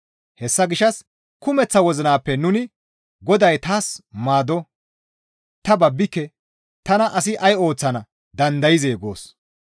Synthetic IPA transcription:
hɛsːɐɡɪʃːɐs | kʊmɛt͡sːɐwɔzɪnaːpːɛnʊnɪ | ɡɔd̪ɐjt̪aːsmaːd̪ɔ | t̪ɐbɐbːɪkːɛ | t̪ɐnɐʔɐs̬ɪʔɐjo̞ːt͡sːɐnɐ | d̪ɐnd̪ɐjɪzeːɡo̰ːs

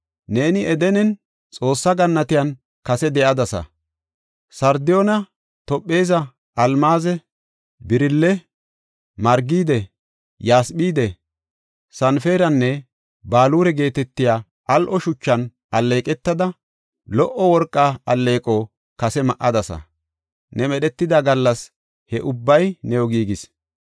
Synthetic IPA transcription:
ne̞ːnɪʔɛd̪ɛnɛn | t͡sʼo̞ːsːɐɡɐnːɐt̪ɪjɐn | kɐsɛd̪ɛʔɐd̪ɐsɐ̰ | sɐɾd̪ɪjoːnɐ | t̪ɔpʼːe̞ːzɐ | ʔɐlmaːzɛ | bɪɾɪlːɛ | mɐɾɡiːd̪ɛ | jaːsɓiːd̪ɛ | sɐnfe̞ːɾɐnːɛ | baːluːɾɛɡe̞ːt̪ɛt̪ːɪjaː | ʔɐlʔɔʃʊt͡ʃːɐn | ʔɐlːe̞ːkʼɛt̪ːɐd̪ɐ | lɔʔɔwɔɾkʼːaːɐlːe̞ːkʼo | kɐsɛmɐʔɐd̪ɐsɐ̰ | nɛmɛɗɛt̪ːɪd̪aɡɐlːɐs | hɛʔʊbːɐjnɛjɔɡiːɡɪs

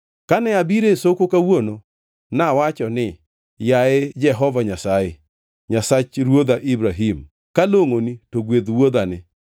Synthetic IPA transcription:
kanɛabiɾesokokawono | nawat͡ʃɔnɪ | jaɪd͡ʒɛɦɔvaɲasajɪ | ɲasat͡ʃɾwod̪aʔibɾaɦim | kaloŋonitoɡwed̪wod̪anɪ

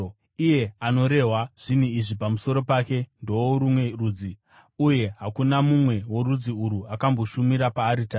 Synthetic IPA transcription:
ije̞ano̞ɾe̞ɦwaʐ̥iniiʐipamuso̞ɾo̞paːke̞ndo̞oɾumwe̞ruːd͡zi | uje̞ɦakunamumwe̞wo̞ɾud͡ziuɾuakambo̞ʃumiɾapaːɾitaː

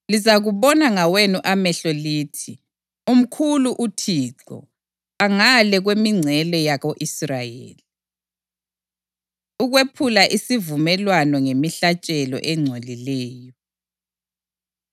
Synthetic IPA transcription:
lizaɣuβɔnaŋawenuʔamɛɬɔliːtʰi | um̩kʰuluʔutʰiːǁɔ̰ | aŋalɛɣwemiŋ͡ǀʱɛlɔjaɣoʔisrajḛːli | uɣwepʰulaʔisivumɛlwanɔŋemiɬat͡ʃʼɛlɔ̰ʔɛŋ͡ǀʱolilɛːjɔ

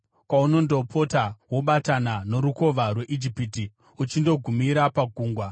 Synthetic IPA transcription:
kwauno̞ndo̞pʰo̞tawoɓatanano̞ɾuko̞ʋarwe̞ʔid͡ʒipiti | ut͡ʃindo̞ɡʱumiɾapaɡʱuːŋɡwa

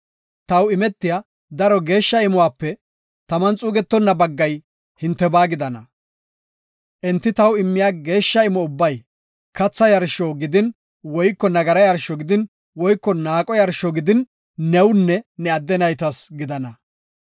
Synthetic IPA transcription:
t̪ɐwɪmɛt̪ːɪja | d̪ɐɾɔɡe̞ːʃːɐɪmɔwaːpːɛ | t̪ɐmɐnt͡sʼuːɡɛt̪ːɔnːɐbɐɡːɐj | hɪnt̪ːɛbaːɡɪd̪ɐnɐ | ʔɛnt̪ːɪt̪ɐwɪmːɪjaːɡe̞ːʃːɐɪmɔʊbːɐj | kɐt͡sːɐjɐɾʃɔɡɪd̪ɪn | wɔjkːɔnɐɡɐɾɐjɐɾʃɔɡɪd̪ɪn | wɔjkːɔnaːkʼɔjɐɾʃɔɡɪd̪ɪnː | ɛwnːɛnɛɐd̪ːɛnɐjt̪ɐsɡɪd̪ɐnɐ

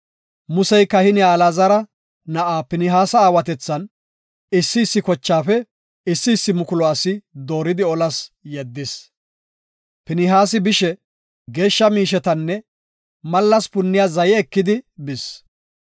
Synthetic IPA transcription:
mʊsɛjkɐhɪnɪjaːlaːzɐɾɐ | nɐʔaːpɪnɪɦaːsɐaːwɐt̪ɛt͡sːɐn | ɪsːɪːsːɪkɔt͡ʃːaːfɛ | ɪsːɪːsːɪmʊkʊlɔaːsɪd̪o̞ːɾɪd̪ɪɔlɐsjɛd̪ːɪs | pɪnɪɦaːs̬ɪbɪʃɛ | ɡe̞ːʃːɐmiːʃ̬ɛt̪ɐnːɛ | mɐlːɐspʊnːɪjaːzɐjɛːkːɪd̪ɪbɪs

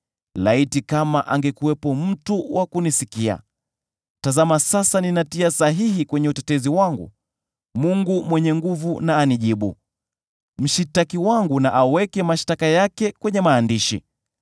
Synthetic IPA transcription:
laitikamaʔaŋɡɛkuwɛpɔm̩tuwakunisikia̰ | tazamasasaninatiasaɦihikwɛɲɛutɛtɛziwaŋɡṵ | muŋɡumwɛɲɛŋɡuvunaːniʄiɓṵ | m̩ʃitakiwaŋɡunaʔawɛkɛmaʃtakajakɛkwɛɲɛmaːndiʃḭ

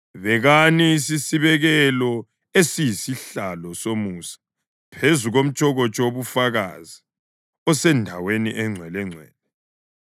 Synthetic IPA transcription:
βɛɣanisisiβɛɣɛlɔ | esijisiɬalɔsomuːsḁ | pʰezuɣom̩t͡ʃʼɔɣɔt͡ʃʼɔoβufaɣa̰zi | ɔsɛndʱaweniʔɛŋ͡ǀʱwɛlɛŋ͡ǀʱwɛ̰ːlɛ

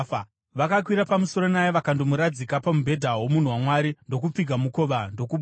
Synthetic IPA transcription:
ʋakak̬wiɾapamuso̞ɾo̞najeʋakandomuɾad͡zikapamubʱe̞dʱaɦomun̤uwamwaɾindo̞k̬up͡fiɡʱamuko̞ʋando̞kuɓ

